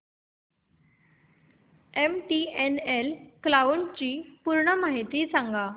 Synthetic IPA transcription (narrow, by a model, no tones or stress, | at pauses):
emʈienelklaʋuɳt͡ɕiːpuɾɳəmaɦit̪isãŋɡa